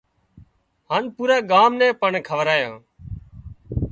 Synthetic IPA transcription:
ɦaːnpuːɾaːɠaːmnɛ̃ːpəɳkʰəʋɾaːjãː

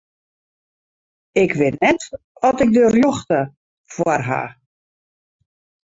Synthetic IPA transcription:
ɪkʰʋɪtnɛt | ɔtɪk̚dərjoxtə | fwarɦa̰ː

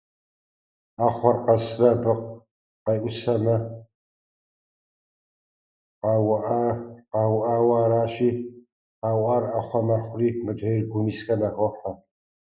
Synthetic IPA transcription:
aːχʷɔrqɐsrɐbɨqʷ | qɐjʔʷʊsɐnɐ | qɑːwɐʔaqɑːwʔaːwaːɾaːɕiː | qɑːwʔarɐχʷɔmɐχʷʊriːmɨdeːrɡʷʊmiːsxɐnɐʁʷɔħa

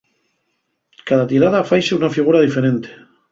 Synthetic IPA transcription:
kaðat̪iɾað̞afajseunafiɣ̞uɾaðife̞ɾent̪e̥

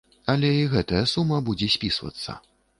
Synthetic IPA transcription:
ɐlʲɛiɣɛt̪ɐjɐsumːɐbud͡zʲɛsʲpʲisvɐ̰t̪sːɐ̰

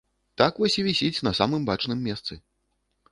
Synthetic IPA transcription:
t̪akvɔsʲivʲisʲit͡sʲnɐsamɨmbat͡ʂnɨmːʲɛst̪sɨ

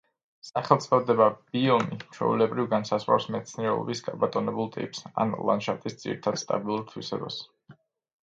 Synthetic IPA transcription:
saχɛlˠt̪sʼɔvd̪ɛbab̥iɔmit͡ʃʰwɛ̰vulɛbɾivɡansasʁwa̰wsmɛt̪sʰniɾɛɔ̰bisɡabat̪ʼɔnɛbulˠt̪ʼḭpʼsa̰nlˠa̰nʃaft̪ʼisd̪z̥ʼḭɾit̪ʰad̪̥st̪ʼa̰bilˠuɾt̪ʰwisɛbas

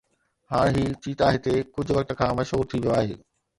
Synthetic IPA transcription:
haːɽ̃ɦiːt͡ɕiːt̪aːɦɪt̪ekʊd͡ʑʱʊʋɐk̚t̪ə̆kʰãːmɐʃɦuːɾt̪ʰiʋijoaːɦeː

